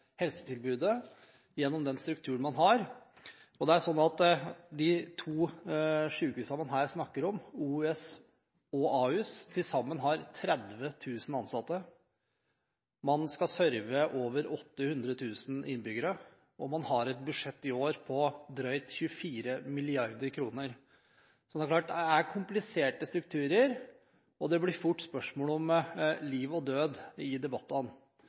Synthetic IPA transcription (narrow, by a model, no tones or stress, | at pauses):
hɛlsə̥t̪ʰɪlbʉːd̪ə | jɛnːɔmd̪ɛnst̪ɾʉk̚t̪ʰʉːɳmɑnɦɑɾ | ɔd̪ɛæʂɔnːɑt̪d̪ɪt̪ʰuːʂʉːkʉːsɑmɑnɦæːɾsnɑkːəɾɔmuːɛs | ɔɑːʉːst̪ʰɪlsɑmːənɦɑɾt̪ʰɾɛd̪ʋət̪ʰʉːsn̩ɑnsɑt̪ːə | mɑnskɑsœɾʋəʔoːʋəɾɔt̪ːəhʉnd̪ɾət̪ʰʉːsn̩ʔɪ̰nbʏɡəɾə | ɔmɑnhɑɾɛt̪̚bʉʂɛt̪ːɪoːɾpʰɔd̪ɾœʏt̪çʉəfiːɾəmɪlɪɑɾd̪əɾkʰɾuːnəɾ | sɔd̪æɾkʰlɑːʈ̚d̪ɛæɾkʰʊmplɪseːʈəst̪ɾʉk̚t̪ʰʉːɾəɾ | ɔd̪ɛblɪɾfʊʈːspœʂmoːlɔmliːʋɔd̪øːd̪ɪd̪ɛbɑt̪ːn